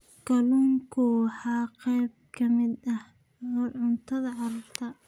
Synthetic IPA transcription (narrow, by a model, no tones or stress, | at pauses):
ɡ̥ɐluːŋkʰʊħɑːqɛjb̚kʰɐmɪd̪ɐh | ɔːʕʊnt̪ʰɐðɐʕɑɾɐɾt̪ʰɐ